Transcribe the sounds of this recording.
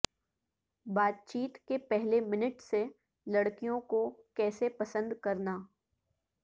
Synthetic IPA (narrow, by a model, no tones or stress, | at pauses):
baːt̪̚t͡ʃiːt̪kepɛɦlemɪnəʈse | lɐɽkijõkokɛːsepɐsə̃nd̪kɐɾnaː